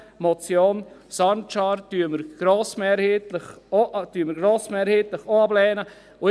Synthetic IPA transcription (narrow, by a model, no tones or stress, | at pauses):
mɔt͡sjoːnsɑnt͡ʃɑːɾtyːməɾɡ̥ɾoːsmɛːɾhetləχoʔtyməɾɡroːsmɛːɾheːtlɪχoɑblɛːnə | ʊ